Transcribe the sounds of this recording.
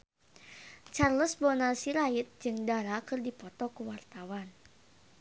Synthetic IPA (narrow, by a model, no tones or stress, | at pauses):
t͡ʃarləsbɔnasiɾait̪̚d͡ʒɨŋdaɾakɨrdipɔt̪ɔkuwart̪awan